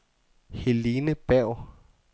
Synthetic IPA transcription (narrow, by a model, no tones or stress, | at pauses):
helinəb̥ɛʊ